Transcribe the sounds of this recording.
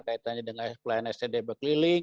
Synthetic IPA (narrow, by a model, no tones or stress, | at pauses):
kait̪aɲadəŋasplajanɛst̪edebəkliliŋ